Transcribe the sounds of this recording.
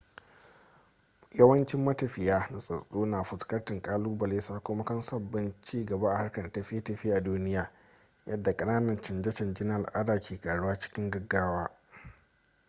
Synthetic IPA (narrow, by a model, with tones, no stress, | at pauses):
jɐ˦wɐ˦nt͡ʃɪ˦mːɐ˦tɐ˨ɸɪ˨jaː˦na˨sʼɐ̰˨sʼoː˦naː˨ɸʊ˨skɐ˦rtɪ˨ŋkʼaː˦luː˦bɐ˨leː˦saː˦kʷʊ˦ma˦kɐ˦nsɐ˦bːɪ˦nt͡ʃiː˦ɡɐ˨ba˦ʔa˨ha˦rkɐ˨nʔtɐ˦ɸɪ˦e˦tɐ˨ɸiː˦ʔa˨duː˦nɪ˦jaː˨ | jɐ˦dːa˨kʼɐ˦naː˦nɐ˨nt͡ʃɪ˨nd͡ʒɐ˦t͡ʃɐ˨nd͡ʒɪ˦n˦ʔa˨lʔa˦daː˨kʲʰeː˨kʼaː˨ɽʊ˦waː˦t͡ʃɪ̥˦kʲɪ˦ŋɡɐ˨ɡːaː˦waː˦